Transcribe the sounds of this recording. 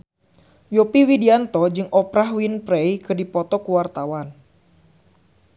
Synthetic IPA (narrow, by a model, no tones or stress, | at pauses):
jɔpiwidiant̪ɔd͡ʒɨŋʔɔpɾaɦwinpɾejkɨrdipɔt̪ɔkuwart̪awan